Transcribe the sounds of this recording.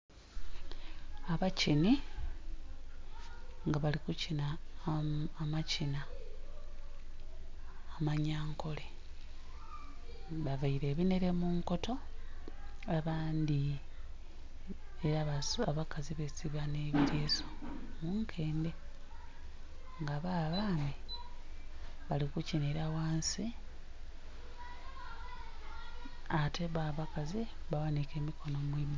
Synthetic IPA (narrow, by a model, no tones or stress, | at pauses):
aβacini | ŋɡaβalikucinaː | macina | maɲaːŋkʰo̞le | βaβaiɾe̞ːβine̞ɾe̞muːŋko̞tʰo̞ | aβaːnd̪i | eɾaβasaβakaziβesiβaneβitʰeːso̥muːŋkʰe̞ːnde | ŋɡaβaːβaːni | βalikucineɾawaːnsi | atʰe̞βaːβakaziβawanike̞ːmikʰo̞no̞mwiːma